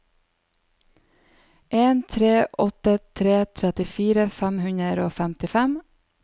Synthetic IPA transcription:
ʔeːnt̪ʰɾeːʔɔt̪ət̪ʰɾeːt̪ʰɾɛt̪ɪfiːɾəfæmhʉnəɾoːfɛmt̪ɪfɛm

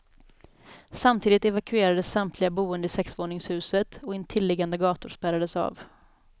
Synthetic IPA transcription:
samt̪ʰiːd̪ɪt̪ɛvakɵeːɾad̪əsːamt̪ʰlɪɡabuːənd̪əɪsɛksvoːɳɪŋshʉ̟ːsət̪ɔɪnt̪ʰːɪlːɛɡand̪əɡɑːt̪ʊɾʂpæɾad̪əsa̰ːv

